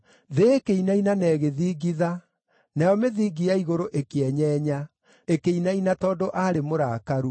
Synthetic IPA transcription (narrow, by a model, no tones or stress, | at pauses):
ðeːkeinainanɛːɣeðiːɡiða | najɔmeðiːɡiaiɣoɾoʔekeɛɲɛːɲa | ekeinainatɔːdoʔaɾemoɾaːkaɾu